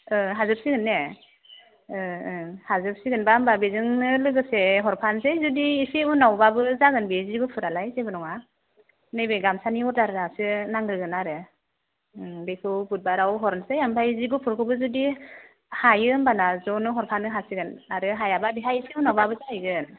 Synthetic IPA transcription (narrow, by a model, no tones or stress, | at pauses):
ɯɦazɯp̚siɡɯnːe | ɯhazɯp̚siɡɯnbambabezɯŋnɯlɯɡɯseɦɔɾpʰansezudiːsiunawbabɯzaɡɯnbeziɡɯpʰɯɾalajzebɯnɔŋa | nɯjbeɡamsaniɔɾdaɾɾasɯnaŋɾɯɡɯnaɾɯ | bekʰɯwbut̚baɾawɦɔɾnsejampʰajziɡupʰɯɾkʰɯbɯzudi | hajɯmbanazɔnɯɦɔɾpʰanɯɦasiɡɯnaɾɯɦajababiɦajisʰiunawbabɯzajɡɯn